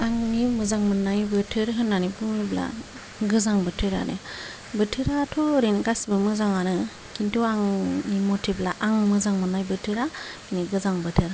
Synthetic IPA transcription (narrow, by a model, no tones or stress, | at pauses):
aŋːimɯzaŋmɯnːajbɯtʰɯɾɦɯnːanibɯŋibla̰ | ɡɯzaŋbɯtʰɯɾa̰nɯ̰ | bɯtʰɯɾatʰɔɾinɡasibɯmɯzaŋanɯ | kʰintuaŋimotʰiblaʔaŋmɯzaŋmɯnajbɯtʰɯɾainiɡɯzaŋbɯtʰɯɾ